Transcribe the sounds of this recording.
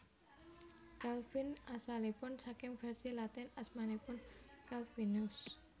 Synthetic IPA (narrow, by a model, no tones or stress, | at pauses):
kalfinasalipʊnsakɪmfɛrsilat̪ɛnasmanepʊnkalfinʊs